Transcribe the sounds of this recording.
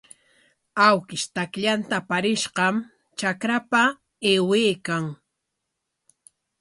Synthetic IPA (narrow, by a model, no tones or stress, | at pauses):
awkɪʃt̪akʎant̪apaɾɪʃɢɑm | t͡ʃakɾapa | eːweːkaŋ